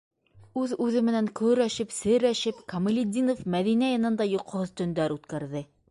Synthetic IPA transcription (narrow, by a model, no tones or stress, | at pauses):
ʉðʉðɘmɘ̆næŋkɵɾæʃɘpsɘɾæʃɘpkɐm̆lʲɪd̪ʲinofmæðinæjɑnɤ̆nd̪ɑjuq̆hoðt̪ɵ̆nd̪æɾʉt̪kæɾðɘ